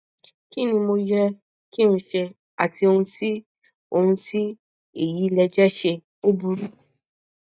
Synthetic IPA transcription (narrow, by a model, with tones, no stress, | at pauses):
ki˦nĩ˧mo˧jɾɛ˧ | ki˦nũ˧˦ʃɛ˧ | a̰˨ti˧o˧hũ˧ti˦ | o˧hũ˧ti˦ | e˦˨ji˨˦lɛ˧d͡ʒɛ˦ʃe˧ | o˦bu˧ɾu˦